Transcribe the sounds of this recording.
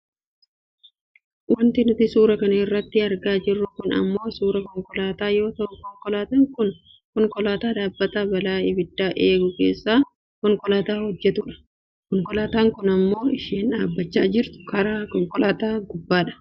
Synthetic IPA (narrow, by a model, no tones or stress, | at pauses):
wɐnt̪ɪnʊt̪ɪsuːɾɐkɐnɐɪrːɐt̪ːɪɐɾɡaːd͡ʒɪrːʊkʊnɐ̰mːo̞ːsuːɾɐkɔŋkɔlaːt̪aːjo̞ːt̪ɐʔʊkɔŋkɔlaːt̪ɐŋkʊn | kɔŋkɔlaːt̪aːd̪aːbːɐt̪aːbɐlaːɪbɪd̪ːaːʔeːɡʊke̞ːsːaː | kɔŋkɔlaːt̪aːhɔd͡ʒːɛt̪ʊᶑɐ̥ | kɔŋkɔlaːt̪aːŋkʊnɐmːo̞ːɪʃiːnᶑaːbːɐt͡ʃːaːd͡ʒɪɾt̪ʊ̥kɐɾaːkɔŋkɔlaːt̪aːɡʊbːaːᶑɐ̥